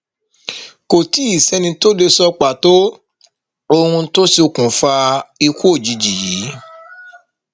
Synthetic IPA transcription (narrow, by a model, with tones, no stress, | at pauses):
ko˨ti˨˦i˦˨sɛ˨˦nĩ˧to˦de˧sɔ˧k͡pa˨to˦ | o˧hũ˧˦to˦si˦o˧kũ˨fa˧i˧kʷo˦˨d͡ʒi˨d͡ʒi˨ji˨˦